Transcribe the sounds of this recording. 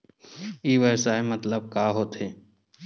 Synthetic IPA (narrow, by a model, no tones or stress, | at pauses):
iːʋəʋsaːemɐt̪ləb̚kaːɦoːt̪ɦeː